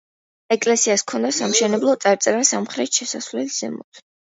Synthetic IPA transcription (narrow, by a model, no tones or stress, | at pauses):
ɛkʼlɛsiaskʰɔnd̪asamʃɛnɛblˠɔt̪sʼaɾt̪sʼɛɾasamχɾɛt̪ʃɛsasvlɛliz̥ɛmɔ̰t̪ʰ